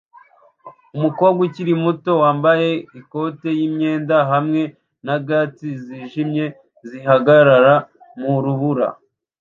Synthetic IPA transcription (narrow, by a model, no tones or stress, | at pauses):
umukoːbɡwiciɾimuto̞waːmbaje̞iko̞te̞jimɲe̞ːndaɦamŋe̞ | naɡatiziʒimɲe̞ | ziɦaɡaɾaɾa | muɾuβuɾa̰